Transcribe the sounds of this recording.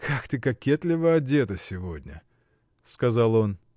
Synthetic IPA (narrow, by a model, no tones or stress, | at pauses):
kʰakt̪ɨkɐkʲːet̪lʲɪvəɐdʲe̞t̪əsʲɪvo̞dʲnʲə̰ | skɐzalˠo̞n